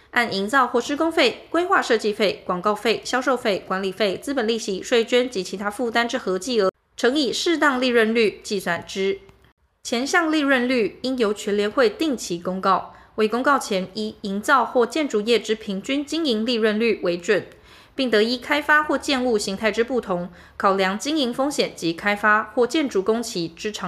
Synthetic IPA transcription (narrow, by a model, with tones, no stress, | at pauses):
a˥˩ni˧˥ŋt͡sɑ˥˧ʊxwɔ˥˩ʂɻ̩˥kʊ˥ŋfe˥˩ɪkwe˥ɪxwa˥˧ʂɤ˥˧t͡ɕi˥˧fe˥˩ɪkwɑ˨˩ŋkɑ˥˧ʊfe˥˩ɪɕjɑ˥ʊʂo˥˧ʊfe˥˩ɪkwa˧˥nli˨˩fe˥˩ɪt͡sɹ̩˥pə˨˩nli˥˩ɕi˧˥ʂwe˥˧ɪt͡ɕɥɛ˥nt͡ɕi˧˥t͡ɕʰi˧˥t̪ʰa˥fu˥˧˩t̪a˥nʈ͡ʂɻ̩˥xɤ˧˥t͡ɕi˥˩ə˧˥ | ʈ͡ʂʰɤ˧˥ŋi˨˩ʂɻ̩˥˧t̪̬ɑ˥˧ŋli˥˧ɻə˥˧nly˥˩t͡ɕi˥˩swa˨˩nʈ͡ʂɻ̩˥ | t͡ɕʰjɛ˧˥nɕɑ˥˧ŋli˥˧ɻə˥˧nly˥˩i˥njo˧˥ʊt͡ɕʰɥɛ˧˥nljɛ˧nxwe˥˧ɪt̪i˥˩ŋt͡ɕʰi˧˥kʊ˥ŋkɑ˥˩ʊ | we˥˩ɪkʊ˥ŋkɑ˥˩ʊt͡ɕʰjɛ˧˥ni˥i˧˥ŋt͡sɑ˥˧ʊxwɔ˥˩t͡ɕjɛ˥˩nʈ͡ʂu˧˩jɛ˥˩ʈ͡ʂɻ̩˥pʰi˧˥ŋt͡ɕy˥nt͡ɕi˥ŋi˧˥ŋli˥˧ɻə˥˧nly˥˩we˧˥ɪʈ͡ʂwə˨˩n | pi˥˩ŋt̪ɤ˧˥i˥kʰa˥ɪfa˥xwɔ˥˧t͡ɕjɛ˥˧nu˥˩ɕi˧˥ŋt̪ʰa˥˩ɪʈ͡ʂɻ̩˥pu˥˩t̪ʰʊ˧˥ŋ | kʰɑ˨˩ʊljɑ˧˥ŋt͡ɕi˥ŋi˧˥ŋfɤ˥ŋɕjɛ˨˩nt͡ɕi˧˥kʰa˥ɪfa˥xwɔ˥˧t͡ɕjɛ˥˩nʈ͡ʂu˧˥kʊ˥ŋt͡ɕʰi˧˥ʈ͡ʂɻ̩˥ʈ͡ʂʰ